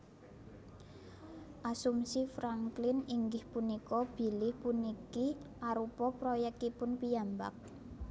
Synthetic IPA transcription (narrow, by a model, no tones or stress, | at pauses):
ʔasumsifɾaŋklɪniŋɡɪhpunikɔb̥i̤lɪhpunikiʔaɾupɔpɾɔjɛk̚t̪ipʊnpijamba̰k̚